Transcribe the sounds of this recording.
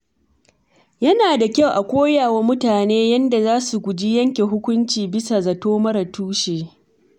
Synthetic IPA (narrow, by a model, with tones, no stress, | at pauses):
jɐ˦naː˨da˨kʲa˦wʔa˨kʷoː˦jaː˨wa˦mʊ˦taː˨neː˦jɐ˦nda˨zaː˦su˨kʷʊ˨d͡ʒi˦jɐ˦ŋkʲe˨ɦʊ˦kʷʊ˦nt͡ʃiː˨bɪ˦sa˨zɐ˨toː˦mɐ˦ɾɐ˨tuː˦ʃeː˨